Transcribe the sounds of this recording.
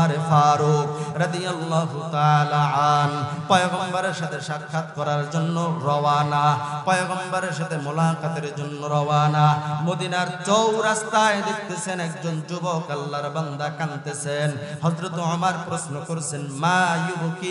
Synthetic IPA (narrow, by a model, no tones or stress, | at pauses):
ɾefaɾukɾɐd̪ijalːaɦut̪aalaanpɔjoɡɔmbaɾeɾʃat̪ʰeʃakʰːat̪kɔɾaɾd͡ʑonːoɾɔwanapɔjoɡɔmbaɾeɾʃat̪ʰemulakat̪eɾd͡ʑonːoɾɔwanamod̪inaɾt͡ɕowɾast̪ajed̪ek̚t̪esʰenɛk̚d͡ʑond͡ʑubɔkalːaɾband̪akant̪esʰenɦɔzɾot̪omaɾpɾosnokoɾesʰenmajuboki